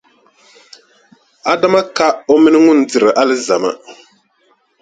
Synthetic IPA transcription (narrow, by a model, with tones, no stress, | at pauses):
a˨da˦ma˦ka˦o˦mi˦nɨ˦ŋʊ˦n̩˦dɨ˨ɾɨ˨ʔa˦lɨ˦za˨ma̰˦